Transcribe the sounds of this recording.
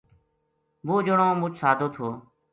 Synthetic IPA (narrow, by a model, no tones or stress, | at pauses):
ʋoːd͡ʒoɳõːmʊt͡ʃʰsaːd̪ʱoːt̪ʰoː